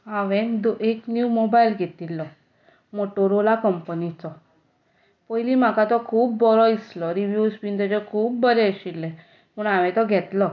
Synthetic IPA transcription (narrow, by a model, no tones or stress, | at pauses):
aʋɛ̃d̪oeknjumobailɡʱet̪ilːɔ | moʈoɾolakəmpnit͡sɔ | pəjliːm̤akat̪ɔkʰuːp̚ːɔɾɔislɔɾiʋjuspind̪ed͡ʑɔkʰuːp̚bəɾɛəɕilːɛ̃ | məɳaʋɛ̃t̪ɔɡʱɛt̪lɔ